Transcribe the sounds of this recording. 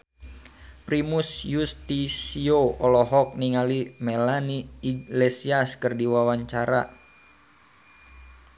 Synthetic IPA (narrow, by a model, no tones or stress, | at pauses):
pɾimusjust̪isioɔlɔɦɔk̚niŋalimɛlaniːɡlesiaskərdiwawaɲt͡ʃaɾa̰